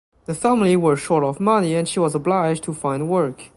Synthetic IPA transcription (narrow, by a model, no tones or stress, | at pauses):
ðəfæmliwə˞ʃɔɹɾɔvmʌniɨ̃nʃiwɔzəblaɪd͡ʒtʰufãɪ̃ndwɜ˞k